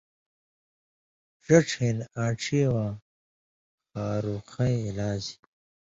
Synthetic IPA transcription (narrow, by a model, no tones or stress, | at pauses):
ʂɐʈ͡ʂʰenaːʈ͡ʂʰiːwaː | xaːɾuxɐjlaːzi̥